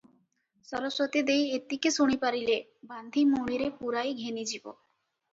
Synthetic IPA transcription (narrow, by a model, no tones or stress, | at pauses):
sɔɾosɾot̪id̪ejet̪ːikesuɽ̃ipaɾile | band̪ʱimuɽ̃iɾepuɾajɡʱenid͡ʑibo̰